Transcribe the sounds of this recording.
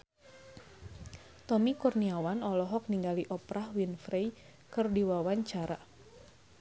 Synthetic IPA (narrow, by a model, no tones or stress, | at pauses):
t̪ɔmikurniawanɔlɔɦɔk̚niŋɡaliʔɔpɾahwinfɾej | kɨrdiwawaɲt͡ʃaɾa